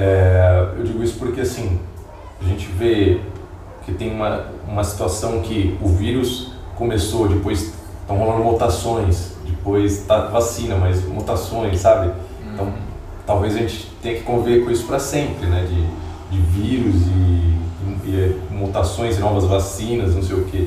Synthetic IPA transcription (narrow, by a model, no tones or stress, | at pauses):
ɛewd͡ʒiɡʊisʊ̥poɾkeasĩ | aʒẽnt͡ʃɪve | ket̪ẽj̃ũmɐũmɐsi̥t̪uasɐ̃w̃kɪʊviɾʊskomesod͡ʒɪpojs | t̪ɐ̃w̃holɐ̃nd̪ʊmot̪asõj̃sd͡ʒɪpojst̪avasĩnɐmɐjzmot̪asõj̃sːabɪẽnt̪ɐ̃w̃ | t̪awvezɐʒẽt͡ʃɪt̪ẽj̃ɐkɪ̥kõviveɾkõisʊ̥pɾɐsẽmpɾɪnɛd͡ʒɪ | d͡ʒɪviɾʊzɪ | ɛmot̪asõj̃zɪnɔvɐzvasĩnɐznɐ̃w̃s̬ejʊke